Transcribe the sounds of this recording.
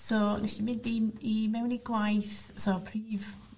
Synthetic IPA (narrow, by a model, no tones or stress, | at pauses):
sɔlɪsimɪndiimɛwniɡwajθsɔpʰriːv